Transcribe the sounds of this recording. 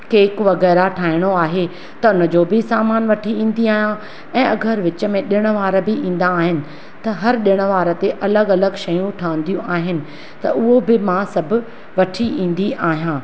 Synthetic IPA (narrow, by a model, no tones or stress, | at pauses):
keːkʋɐɣɛːɾaʈʰaːɦɪɽ̃oaːɦe | t̪ɐʊnəd͡ʑoːbɪsaːmaːnʋɐʈʰiĩːn̆d̪iaːɦijã | ɛ̃ːɐɡəɾʋɪt͡ɕə̆mẽɗɪɽ̃ə̆ʋaːɾəbɪĩːn̆d̪aːɦɪnɪ̆ | t̪ɐɦɐɾɗɪɽ̃ə̆ʋaːɾət̪eʔɐləɡɐləɡʃɐjũʈʰaːʋə̃n̆d̪ijũʔaːɦɪnɪ̆ | t̪ɐʔʊɦobɪmãsɐbʱʊ̆ | ʋɐʈʰiĩːn̆d̪iʔaːɦijãː